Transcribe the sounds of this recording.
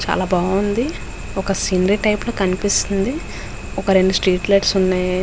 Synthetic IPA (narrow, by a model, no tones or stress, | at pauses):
t͡ʃa̰ːlaːbaːund̪i | ɔkɐsiːnɐɾiʈɐjploːkɐnipist̪und̪i | ɔkɐɾeɳɖusʈɾiːʈlɐjʈsunːaj